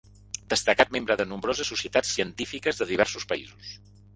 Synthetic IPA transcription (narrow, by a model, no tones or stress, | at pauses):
d̪̥əst̪əkat̪̚membɾəðənumbɾozəsːusiət̪at͡sːiənt̪ifikəzðəðiβ̞ɛrsuspəḭzus